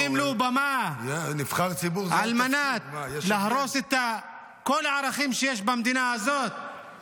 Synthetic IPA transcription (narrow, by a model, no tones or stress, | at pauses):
imlubamanifχaʁt͡sibuʁʕalmanat̪lahɾoset̪a | kolaʕaɾaχimʃejeʃbamd̪inaazot̪̚